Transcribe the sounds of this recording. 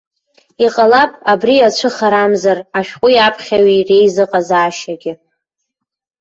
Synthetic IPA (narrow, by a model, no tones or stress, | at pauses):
iqʼalapʼabriat͡ʃʷʰɨχaɾamzaraʃᶣqʷʼʊjapʰχʲaɥire̞jzɨqʼazaːʃaɡʲɪ